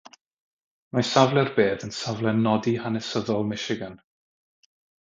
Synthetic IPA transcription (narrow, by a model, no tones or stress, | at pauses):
majsavlˠɛrbeːðənsavlˠɛnɔdihanɛsəðɔlˠmɪʃɪɡən